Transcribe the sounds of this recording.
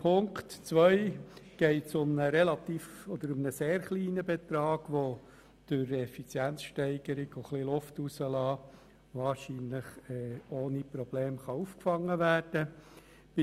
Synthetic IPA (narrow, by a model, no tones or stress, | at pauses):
pʰʊŋktt͡sʋœɪɡ̥ɛɪtsʊmnəɾɛlɑt̪iːfɔd̪əɾʊmnəseːɾχliːnəbɛt̪ɾɑːɡ̥ʋo | d̥ʊɾɛfit͡sjænt͡sʃtɛɪɡ̥əɾɪɡ̥oχlilʊftusəlɑː | ʋɑːɾʃiːnləχɛːoːnipɾɔb̥leːmχɑufkfɑŋːəʋæːɾd̥ə | b̥